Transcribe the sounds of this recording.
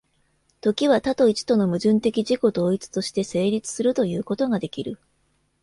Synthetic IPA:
t̪o̞kʲiβ̞at̪at̪o̞it͡ɕi̥t̪o̞no̞mɯ̟ʑɨ̃nt̪e̞kʲiʑiko̞d̪o̞ːit͡sɨ̥t̪o̞ɕi̥t̪e̞se̞ːɾʲit͡sɨ̥sɨɾɯ̟t̪o̞jɯ̟ːko̞t̪o̞ɡad̪e̞kʲiɾɯ̟

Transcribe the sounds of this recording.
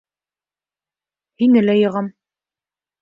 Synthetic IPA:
hinɘ̆læjɤ̆ʁɑm

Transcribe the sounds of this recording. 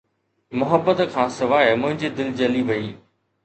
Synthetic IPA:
mʊɦəbːət̪kʰãːsɐʋaːmʊ̃ɦɪ̃ɲd͡ʑiːd̪ɪld͡ʑɐliʋɐiː

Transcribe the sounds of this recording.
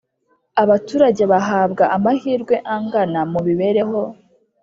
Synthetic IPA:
aβatuːɾaɟe̞βaɦaːbɡaʔamahiːɾɡwe̞ʔaŋɡanamuβiβe̞ɾe̞ɦo̞

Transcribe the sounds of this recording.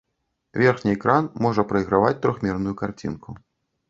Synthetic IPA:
vʲɛrxnʲiɛkɾanmɔʐɐpɾɐjɣɾavat͡sʲt̪ɾɔxmʲɛrnujukart͡sʲḭnkʰu

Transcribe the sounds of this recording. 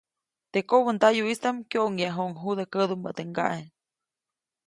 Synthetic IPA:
t̪ekoβənd̪ajuist̪amkjoʔŋjaɦoʔŋɦud̪ekəd̪umə̰t̪eŋɡa̰ʔen

